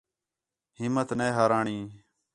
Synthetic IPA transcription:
ɦɪmːət̪neːɦaːɾaːɳĩː

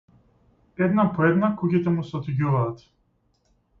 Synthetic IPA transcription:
ɛd̪napɔɛd̪nakucit̪ɛmusɛɔt̪iɟuvaːt̪

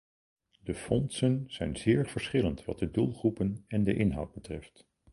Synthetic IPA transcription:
dəfɔnsənz̥ɛjnzɪːɹv̥əɹsχɪləntʋɑ̰t̚dədulˠχrupənɛndəʔɪnɦʌ̰wd̚bətrɛft

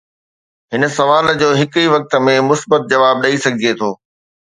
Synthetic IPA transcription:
ɦɪnə̆sɐʋaːld͡ʑoːɦɪkiʋɐk̚t̪ə̆mẽmʊsbət̪̚d͡ʑɐʋaːb̚ɗɐisɐɡʱd͡ʑiet̪ʰoː

